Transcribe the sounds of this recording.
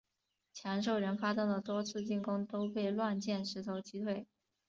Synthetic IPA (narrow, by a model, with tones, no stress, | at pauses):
t͡ɕʰjɑ˧˥ŋʂ̬o˥˩ʊɻə˧˥nfa˥t̪ʊ˥˩ŋd̪ə˩t̪wɔ˥t͡sʰɹ̩˥˧t͡ɕi˥˩ŋkʊ˥ŋt̪o˥ʊpe˥˧ɪlwa˥˧nt͡ɕjɛ˥˩nʂɻ̩˧˥t̪ʰo˧˥ʊt͡ɕi˥t̪ʰwe˥˩ɪ